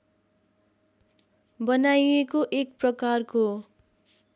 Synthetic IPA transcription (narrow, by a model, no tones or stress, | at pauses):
bʌnajekoʔek̚prʌkarko